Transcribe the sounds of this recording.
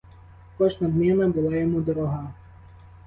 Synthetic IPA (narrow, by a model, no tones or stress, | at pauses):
kɔʒnɐd̪nɛmɛbʊlˠɑjɔmud̪ɔɾɔɦɑ